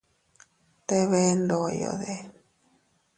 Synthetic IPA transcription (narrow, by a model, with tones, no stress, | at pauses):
t̪e˦βe˦ndo˨jo̰˨ðe˦